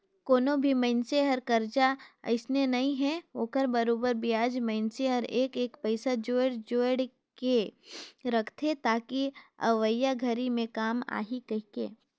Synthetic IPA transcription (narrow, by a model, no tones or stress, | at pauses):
koːnobʱimɐɪnseɦɐɾkɐɾd͡ʒaɐ̰ɪsnenɐɦĩɦɛoːkəɾbɐɾoːbəɾbijaːd͡ʒmɐ̃ɪnseɦəɾeːkeːkpɐɪsad͡ʒoːeɽd͡ʒoːeɽ | ke | ɾɐkʰt̪ʰet̪aːkiɐ̰ʋəjaɡʱɐɾimẽkaːma̰ːɦikɐɦkḛː